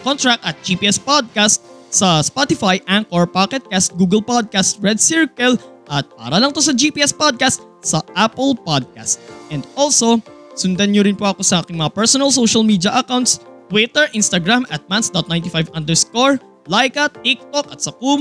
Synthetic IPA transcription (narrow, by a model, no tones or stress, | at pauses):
kont̪ɹak̚t̪ɐt̪̚d͡ʒipiːʔɛspod̪̚kast̪̚sɐspɔt̪ɪfajʔaŋkoɹpakɛt̪̚kast̪̚ɡuːɡɛlpad̪̚kast̪̚ɹɛd̪̚sɪɹkɛlʔɐt̪̚pa̰ːɾɐlɐŋt̪o̞sɐd͡ʒipiʔɛspod̪̚kast̪̚ | sɐʔapɛlpad̪̚ka̰st̪̚ʔɛnd̪̚ʔolso̞sʊnd̪ɐnɲoɾɪnpoʔɐko̞sɐʔaːkɪŋmɐŋapɛɹsɔnɐlsowʃɐlmiːd̪jɐʔɐkawnt̪st̪wit̪ɛɹʔinst̪ɐɡɹamʔɐt̪̚mansd̪ɔt̪̚najnt̪ɪfajvʔɐ̃nd̪ɛɹskoɹ | lajkɐt̪ːik̚t̪okɐt̪sɐkum